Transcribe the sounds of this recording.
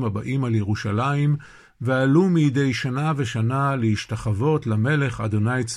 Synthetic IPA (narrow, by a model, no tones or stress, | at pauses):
mabaʔimaljeʁuʃalaim | vealumijde̞jʃanaveʃanalehiʃtaχavo̞tlame̞le̞χado̞najt͡s